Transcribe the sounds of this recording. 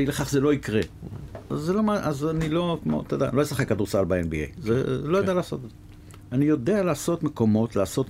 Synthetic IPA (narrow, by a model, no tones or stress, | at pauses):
ileχaχzelo̞ikʁeazːelo̞maʔazanilo̞kmo̰t̪eda̰nlo̞jesaχekːad̪uʁsalbaenbḭḛjzḛlo̞jad̪ealaːso̞t̪eze | anijo̞d̪ealeːso̞t̪me̞ko̞mo̞t̪laːso̞t